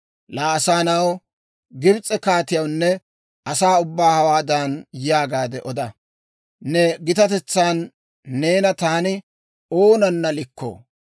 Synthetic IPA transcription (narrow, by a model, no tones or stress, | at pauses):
laːsaːnɐw | ɡɪbt͡sʼɛkaːt̪ɪjɐwnːɛ | ɐsaːʊbːaːhɐwaːd̪ɐnjɪjaːɡaːd̪ɛʔɔd̪ɐ | nɛɡɪt̪ɐt̪ɛt͡sːaːnː | e̞ːnɐt̪aːnɪ | oːnɐnːɐlɪkʰːo̰ː